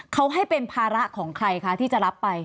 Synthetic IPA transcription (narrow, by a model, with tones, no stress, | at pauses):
kʰa˦˥wɦa˥˩jpe˧npʰaː˧ɾa˦˥kʰɔː˩˦ŋkʰɾa˧jkʰa˦˥t̪ʰiː˥˩t͡ɕa˨˩ɾa˦˥pːa˧j